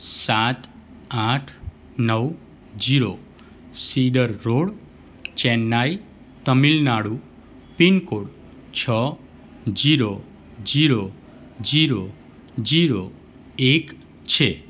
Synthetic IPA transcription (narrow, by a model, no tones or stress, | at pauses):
sat̪ | aʈʰ | nəw | d͡ʒiɾo | siɖəɾːoɽ | t͡ʃɛnːaj | t̪əmilnaɽu | pinkoɽ | t͡ʃʰə | d͡ʒiɾo | d͡ʒiɾo | d͡ʒiɾo | d͡ʒiɾo | ek | t͡ʃʰe